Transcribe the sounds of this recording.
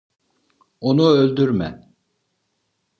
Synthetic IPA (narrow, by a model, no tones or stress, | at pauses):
onuølʲd̪yɾmæ̰